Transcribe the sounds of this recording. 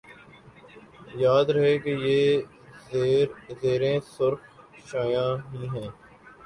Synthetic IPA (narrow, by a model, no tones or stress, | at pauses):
jaːd̪ɾɐɦekejeː | zeːɾẽsʊɾk | ʃaːjãːɦĩːɦɛ̃ː